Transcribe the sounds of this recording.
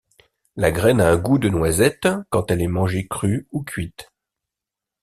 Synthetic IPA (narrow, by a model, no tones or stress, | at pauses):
laɡʁɛnaɛ̃ɡud̪ənwazɛt̪kɑ̃t̪ɛlɛmɑ̃ʒekχyukʰʲɥit̪